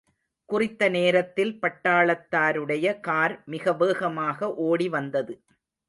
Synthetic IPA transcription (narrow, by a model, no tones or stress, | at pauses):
kʊrɪt̪ːɐneːɾɐt̪ːɪlpɐʈːaːɭɐt̪ːaːɾɯɽɐjɐkaːɾmɪɣɐʋeːɣɐmaːɣɐʔoːɽiʋɐnd̪ɐðɯ